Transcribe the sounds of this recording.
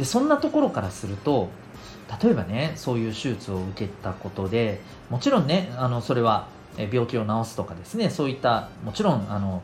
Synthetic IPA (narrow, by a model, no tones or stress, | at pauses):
d̪e̞sõ̞nːat̪o̞ko̞ɾo̞kaɾasɨɾɯ̟t̪o̞ | t̪at̪o̞e̞bane̞so̞ːjɯ̟ːɕɨːt͡sɨo̞ɯ̟ke̞t̪ako̞t̪o̞d̪e̞ | mo̞t͡ɕiɾõ̞nːe̞ano̞so̞ɾe̞β̞a | ebʲjo̞ːkʲio̞nao̞sɨ̥t̪okad̪e̞sɨne̞so̞ːit̪ːamo̞t͡ɕiɾõ̞ŋ̃ano̞